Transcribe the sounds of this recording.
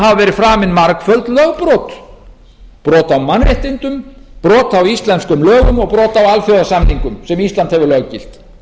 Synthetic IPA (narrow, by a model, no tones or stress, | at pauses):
ɦavavɛːɾɪfɾaːmɪnmaɾkfœlt̪lœɣpɾɔːt̪ | pɾɔːt̪awmanveht̪int̪ʏmpɾɔːt̪awist̪lɛnskʏmlœːɣʏmɔɣpɾɔːt̪awalfjɔwðasamniŋkʏmsɛmist̪lant̪hɛvʏɾlœɣcɪl̥t̪